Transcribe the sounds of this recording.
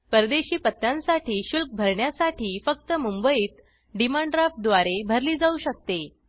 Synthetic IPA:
pəɾd̪eɕiːpət̪ːjãnsaʈʰiːɕulk̚bʱəɾɳjasaʈʰiːfək̚t̪əmumbəiːt̪ | ɖimaɳɖɾap̚d̪ʋaɾebʱəɾliːd͡zauːɕək̚t̪e

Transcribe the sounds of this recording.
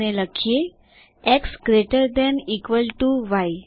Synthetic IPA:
neləkʰe | eksɡɾeʈəɾd̪ɛnikʋəlʈuʋaj

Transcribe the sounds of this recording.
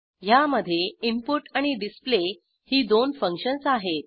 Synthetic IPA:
jaməd̪ʱːjeimpuʈaɽ̃iɖisple | hiːd̪onfəŋkʂənsaɦet̪̚

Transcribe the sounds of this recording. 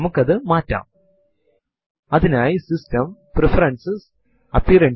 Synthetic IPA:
mukːɐðɨmaːtːa̰ːm | ɐðinaːjisistɐmprefɐɾɐnsɨs | ɐpːiɾɐɳ

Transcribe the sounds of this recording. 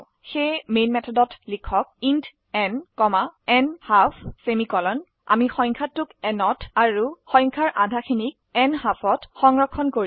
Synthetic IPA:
xejmenmɛtʰɔdɔtlikʰɔk̚int | ɛnkɔmaɛnhafʰsemikɔlɔn | a̰mixɔ̃j̃ŋkʰatːukɛnɔtaɹuxɔ̃jŋkʰaɹʔadʱaxʰinik̚ɛnhapʰɔtxɔŋɹɔkʰːɔnkoɹi

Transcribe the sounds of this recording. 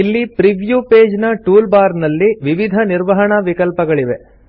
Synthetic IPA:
ilːipɾiʋjupeːd͡ʒnɐʈuːlbaːɾnɐlːiʋiʋid̪ʱɐniɾʋɐɦɐɳɐʋikɐlpɐɡɐɭiʋe

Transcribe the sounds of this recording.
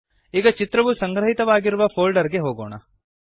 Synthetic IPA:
iːɡɐt͡ʃit̪ɾɐʋusɐŋɡɾɐɦit̪ɐʋaːɡiɾuʋɐpʰoːlɖɐɾɡeɦoːɡoːɳɐ̰

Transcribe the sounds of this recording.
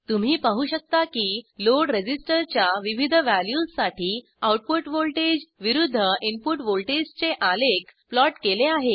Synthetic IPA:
t̪um̤iːpaɦuːɕək̚t̪akiːloɽɾed͡ʑisʈəɾt͡ɕjaʋiʋid̪ʱəʋæljusːaʈʰiː | awʈ̚puʈʋolʈed͡ʑʋiɾud̪ʱːəinpuʈʋolʈed͡ʑt͡seʔalekplɔʈkeleaɦe

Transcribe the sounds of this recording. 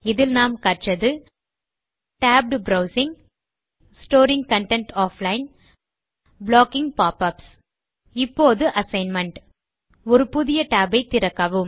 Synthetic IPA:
ɪðɪlnaːmkɐʈt͡ʃɐðɯ | ʈaːb̚ɖbɾɐʊsɪŋ | sʈoːɾɪŋɡkɐɳʈɛɳʈaːflɐɪn | bloːkɪŋɡpaːpɐps | ɪpːoːðɯʔɐsɐɪnmɐɳʈ | ɔɾɯpʊðɪjɐʈaːbɐɪt̪ɪɾɐkːɐʋɯm

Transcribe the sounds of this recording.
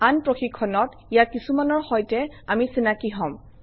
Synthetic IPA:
anpɹoxikʰːɔnɔt | ijakisumanɔɹxɔjtɛamisinakiɦɔ̃m

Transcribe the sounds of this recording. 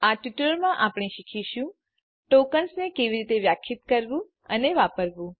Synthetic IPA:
aʈiʈəɾmãʔapɽ̃eʃikʰiʃũ | ʈokəlsnekeʋiɾit̪eʋjakʰjit̪kəɾʋũ | ə̰neʋapəɾʋũ

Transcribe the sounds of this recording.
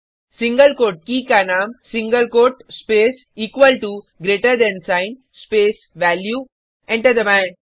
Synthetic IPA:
sĩŋɡəlkoːʈ̚kiːkanãːmsĩŋɡəlkoːʈspeːs | iːkʋəlʈu | ɡɾeːʈəɾd̪ɛ̃nsãɪ̃n | speːs | ʋælju | ɛ̃ɳʈəd̪əmɛ̃n

